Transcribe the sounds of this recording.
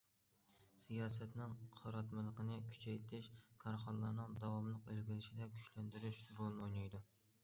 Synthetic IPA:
sijɑːsɛt̪nɪŋqʰɑɾɑt̪mɨlˠəqənɨkʲʰy̥t͡ʃʰɛjt̪ʰɪʃkʰɑɾχɑnlˠɑɾnɨŋd̪ɑwɑmlˠəqølɡʲilɪʃɪd̪ɛkʲʰy̥ʃlænd̪yɾyʃbolˠnɨojnɑjd̪u

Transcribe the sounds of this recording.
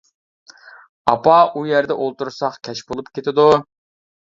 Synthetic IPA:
ɑpʰɑujæɾd̪ɛʔolˠt̪uɾsɑχkʲʰɛʃbolˠupkʲʰet̪ʰɪd̪u

